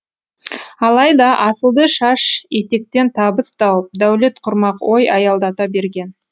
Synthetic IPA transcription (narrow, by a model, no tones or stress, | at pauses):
ɑlˠɑjd̪ɑʔɑsəlˠd̪əʃɑʃet̪e̞k̚t̪e̞nt̪ʰɑbəst̪ɑwəp̚d̪æwle̞t̪qʰʊɾmɑqwo̞jɑjɑlˠd̪ɑt̪ɑbe̞ɾɡʲe̞n